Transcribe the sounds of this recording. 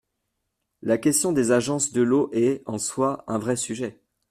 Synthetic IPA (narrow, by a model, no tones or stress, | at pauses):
lakʲɛst̪jɔ̃d̪ezaʒɑ̃sd̪əloʔɛɑ̃swaɛ̃vʁɛsyʒɛ